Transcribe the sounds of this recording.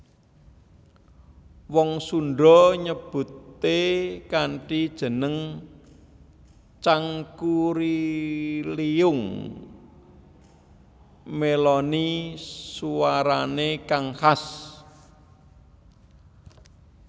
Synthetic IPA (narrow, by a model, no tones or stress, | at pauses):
wɔŋsuɳɖɔɲəb̥ṳt̪ːekaɳʈid̥ʒ̥ə̤nəŋ | t͡ʃaŋkuɾi | liʊŋ | melɔnisuwaɾanekaŋhas